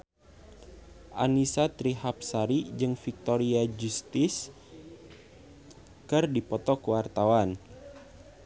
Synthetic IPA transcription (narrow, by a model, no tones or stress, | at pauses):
ʔa̰nisat̪ɾiɦap̚saɾid͡ʒɨŋfik̚t̪oɾiad͡ʒust̪ɪs | kɨrdipɔt̪ɔkuwart̪awan